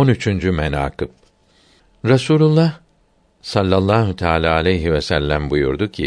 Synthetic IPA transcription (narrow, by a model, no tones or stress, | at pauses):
onyt͡ʃʰynd͡ʒymena̰ːkɯp̚ | ɾasuːlʲulˠːah | salʲːalˠːaːɦut̪ʰaːlʲaːalʲɛjɦivɛsælʲːæmbujṵɾd̪ucʰi